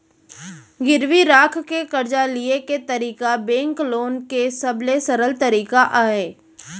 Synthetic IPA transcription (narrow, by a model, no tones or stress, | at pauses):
ɡɪɾwiɾaːkʰkekɐɾd͡ʒalieket̪əɾiːkabẽːŋkloːnkesɐblesəɾəlt̪ɐɾiːkaʔaːɦeː